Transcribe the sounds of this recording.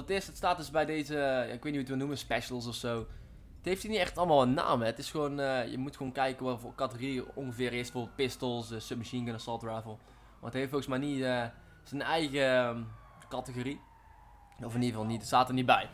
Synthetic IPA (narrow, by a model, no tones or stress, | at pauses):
ətɪsətstaːt̚dɵzbɛjdejzəja̰ɪkʋeːtnihutʋənuməspɛʃəlˠsɔfsow | ətɦejftinitɛxtɑlˠmaːlˠənːa̰ːmɛətɪsxʋoːnjə̰mutxʋonkɛjkənʋɑtvokɑtəɣoriɔnɣəvɪːrɪsdə̥voːbɪlˠt̚pɪstəlˠsəsøp̚məʃinkənasɔltɹɛvəlˠ | ma̰ːətɦeftoːɣəsmɛjniə | z̥ənɛjɣə | kɑtəɣori | ɔfɪnivɑlˠnitətstaːtərɹnibɛj